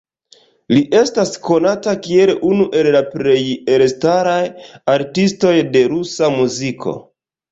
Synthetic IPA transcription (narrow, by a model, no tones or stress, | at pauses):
liʔe̞stasko̞natakie̞lunuʔe̞llapɾe̞jelstaɾajaɾtisto̞jde̞ɾusamuzikʰo̞̰